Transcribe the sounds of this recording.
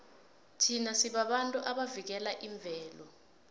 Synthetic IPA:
tʰinasiɓaɓantʼuʔaɓavik̬ɛlaʔiɱb̪vʱɛːlɔ

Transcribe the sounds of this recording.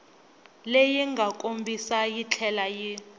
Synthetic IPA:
lejɛŋɡʱakʼombʱisajit͡ɬʰɛlaji

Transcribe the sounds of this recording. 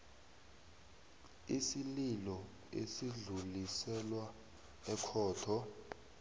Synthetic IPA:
isililɔ | ḛsiɮulisɛlwa | ɛkʰɔːtʰɔ

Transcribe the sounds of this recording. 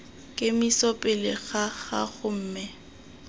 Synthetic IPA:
kʼɪmisɔpʼɪlɪɣaɣa̰ɣʊm̩ːmɛ

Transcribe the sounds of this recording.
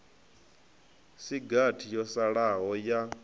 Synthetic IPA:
siɡatʰijɔsaɺaɦɔja

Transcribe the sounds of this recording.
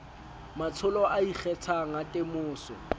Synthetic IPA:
mat͡sʰʊlɔʔaik͡xɛt͡sʰaŋ̩atʼɪmʊːsɔ̰

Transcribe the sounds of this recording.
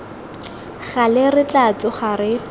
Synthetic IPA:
χalɪrɪt͡ɬat͡sʊχarɪ

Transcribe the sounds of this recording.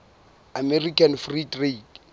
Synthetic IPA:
amɛrikʰanfridrek

